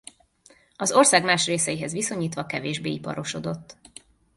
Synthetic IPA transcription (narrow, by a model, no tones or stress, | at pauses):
ɒzo̞rsaːɡmaːʃreːsɛjiɦɛzʋiso̞ɲiːt̪ʋɒkɛveːʒbeːipɒ̰ɾo̞ʃo̞d̪o̞t̪ː